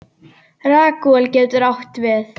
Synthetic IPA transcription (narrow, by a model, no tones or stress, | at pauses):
raːkuɛlcɛt̪ʏɾawht̪vɪθ